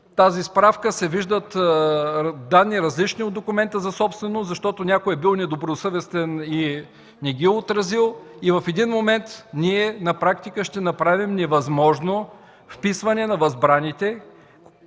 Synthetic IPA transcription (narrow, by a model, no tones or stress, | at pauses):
t̪azispɾafkəsɛviʒd̪ət̪ | d̪anːiɾɐzlit͡ʃniod̪d̪okʊmɛnt̪əzɐsɔpst̪vɛnost̪zɐʃt̪ɔt̪onʲakoɛbilˠnɛd̪obɾosɤvɛst̪ɛni | nɛɡiɛot̪ɾɐzilˠ | ivɐfɛd̪inmomɛnt̪niɛnɐpɾakt̪ikəʃt̪ɛnɐpɾavimnɛvɐzmɔʒno | fpisvɐnɛnɐvɐzbɾanit̪ɛ